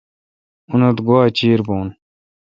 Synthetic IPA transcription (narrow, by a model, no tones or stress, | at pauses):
unɐt̪ɡoaːt͡ɕiːɾboːn